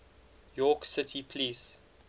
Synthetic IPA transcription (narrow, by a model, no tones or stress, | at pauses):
jɔksɪtʰipʰliːs